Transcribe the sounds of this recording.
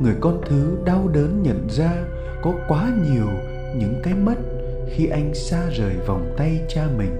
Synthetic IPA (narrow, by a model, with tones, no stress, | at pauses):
ŋɨ˨˩əjkɔ˧nt̪ʰɨ˨˦ɗa˧wɗəː˨˦nɲə̰˧˨nzaː˧ | kɔ˨˦kwaː˨˦ɲi˨˩əw | ɲɨ̰˧˥ŋkaː˨˦jmə˦˥t̚ | xi˧ʔa˧jŋ̟saː˧zəː˨˩jva˨˩wŋ͡mt̪a˧jt͡ɕaː˧mï˨˩ŋ̟